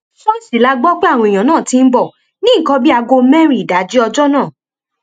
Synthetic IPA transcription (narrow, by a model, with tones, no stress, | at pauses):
ʃɔ˦n̩˦si˦˨la˧ɡ͡bɔ˦k͡pe˦a˦˨wɔ̃˧i˨j̃ã˨nãː˦˨tĩ˧n̩˦bɔ˦˨ | nĩ˦˨kɔ̃˧˦bi˦a˧ɡo˧mɛ̃˦ɾ̃i˨da˨˦d͡ʒi˦ɔ˧d͡ʒɔ˦nãː˦˨